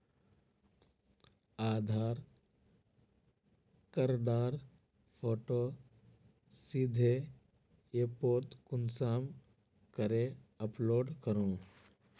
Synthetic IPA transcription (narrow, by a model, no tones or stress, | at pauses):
aːd̪ʱaːɾ | kəɾɖaːɾ | pʰoːʈo | sid̪ʱe | epoːɾt̪kʊnsaːm | kəɾeəploːɖkəɾũː